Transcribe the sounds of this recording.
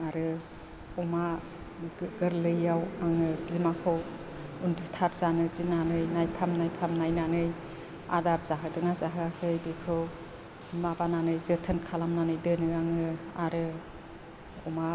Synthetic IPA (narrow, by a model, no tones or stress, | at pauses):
aɾɯ | ɔma | ɡɯɾlɯjawaŋɯbzimakʰɯw | undutʰaɾzanɯzinanɯjnajpʰamnajpʰamnajnanɯj | a̰daɾzaɦɯdɯŋazaɦɯakʰɯjbikʰɯw | mabananɯjzɯtʰɯnkʰalamnanɯjdɯnɯaŋɯaɾɯ | ɔma